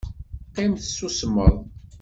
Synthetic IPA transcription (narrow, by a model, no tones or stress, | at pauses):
qimθəsːusəmːə̰ðˤ